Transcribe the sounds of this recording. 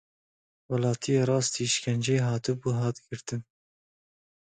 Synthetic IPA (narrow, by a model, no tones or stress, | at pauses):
wɛlɑːt̪ʰijeːɾˤɑːst̪iːʃɪ̥kʰʲɛnd͡ʒeːɦɑːt̪ɨbuːɦɑːt̪ɡɨɾt̪ɨn